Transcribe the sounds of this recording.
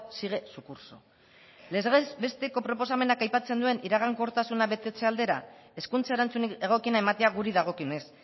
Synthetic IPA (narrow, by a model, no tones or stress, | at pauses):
siɣ̞e̞sukuɾso̞̰ | lezesbe̞st̪e̞ko̞pɾo̞po̞same̞nakajpat͡se̞nd̪ue̞nʔiɾaɣ̞aŋko̞ɾt̪asunaβe̞t̪e̞t͡se̞ald̪e̞ɾae̞skunt͡saeɾant͡suneɣ̞o̞kinaemat̪e̞aɣuɾiðaɣ̞o̞kiones